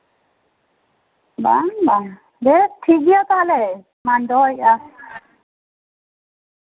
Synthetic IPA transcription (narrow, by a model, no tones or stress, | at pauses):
ba̰ba | bɛt̪ʰːiɡijat̪aalɛ | mandɔja